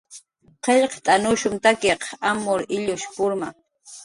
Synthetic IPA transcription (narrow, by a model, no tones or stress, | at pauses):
qeʎqt̪ʼanʊʃʊmt̪akeqamoɾɪʎʊʃpʊɾma